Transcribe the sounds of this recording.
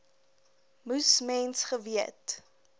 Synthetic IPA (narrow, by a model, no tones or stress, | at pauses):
musmɛnsχəviət